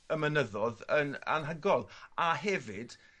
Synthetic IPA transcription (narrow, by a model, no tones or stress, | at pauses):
əmənəðɔðəna̰nɦəɡɔlˠaɦɛvɪd̥